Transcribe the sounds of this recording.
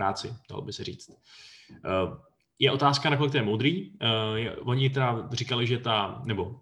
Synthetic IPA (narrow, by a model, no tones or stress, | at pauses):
a̰ːt͡sɪd̥a̰lobɪsɛɾiːt͡st̪ | jɛʔo̞t̪aːskanakolɪkt̪ɛjɛmowd̪ɾiːjɛvo̞ɲɪt̪ɛdar̝ikalɪʒɛt̪anɛbo̞